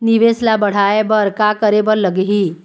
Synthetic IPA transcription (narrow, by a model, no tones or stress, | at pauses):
niʋeslabəɽ̤aebəɾkakəɾebəɾləɡɦi